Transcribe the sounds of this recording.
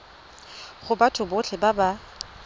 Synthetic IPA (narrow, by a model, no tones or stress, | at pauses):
χʊbatʰʊbʊt͡ɬʰɪbaba